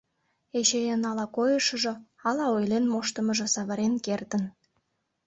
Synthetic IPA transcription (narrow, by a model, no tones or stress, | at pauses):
eɕejənɑlɑkojəʃəʒŏ | ɑlɑojlenmoʃt̪ə̆mə̆ʒə̆sɑβəɾenkert̪ən